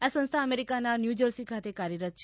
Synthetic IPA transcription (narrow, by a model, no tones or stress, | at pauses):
asə̃nst̪ʰaəmeɾikananjud͡ʒəɾsikʰat̪ekaɾjəɾət̪̚t͡ʃʰ